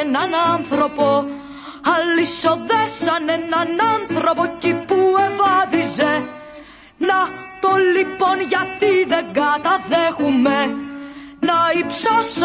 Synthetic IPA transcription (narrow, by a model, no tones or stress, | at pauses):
nɐnɐnθɾo̞po̞ | ɐlːiso̞ðesɐnenɐnɐnθɾo̞po̞cipuevɐðize | nɐt̪o̞lipo̞nʝɐt̪iðe̞ɡɐt̪ɐðexume | nɐipsos